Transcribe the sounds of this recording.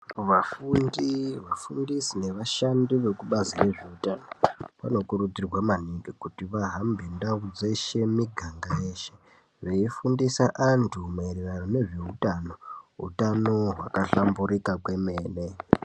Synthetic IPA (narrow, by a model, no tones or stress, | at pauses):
ʋafundiʋafundisine̞ʋaʃandiʋe̞kuɓazire̞ʐeutanoʋano̞kuɾud͡zirwamaniŋɡikutiʋaɦambʱindaud͡zeʃe̞miɡʱaŋɡaje̞ːʃe̞ | ʋeifundisaʔantʰumairiranone̞ʐeutano̞ɦṵtano̞ɦwa̰kaɬambuɾikakwe̞me̞ːne̞